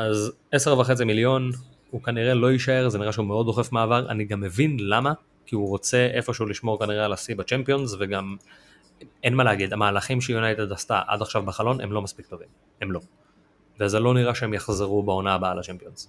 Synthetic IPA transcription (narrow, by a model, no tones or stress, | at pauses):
az | e̞seʁvaχe̞t͡similjo̞n | hukaniʁe̞lo̞iʃae̞ʁzeniʁaʃeumeo̞d̪do̞χe̞fmaːvaʁʔa̰niɡamːevinlama | kiuʁo̞t͡se̞ʔefo̞ʃeuliʃmo̞ʁkaniʁealasibat͡ʃempio̞nzveɡam | enmaleaɡid̪amaːlaχimʃejunajt̪ed̪ast̪a̰ʔa̰d̪aχʃavbaχalo̞nemlo̞maspik̚t̪ovim | emlo̞ | veazelo̞niʁaʃeemjaχzeʁubao̞naːbaːlat͡ʃempio̞nz̥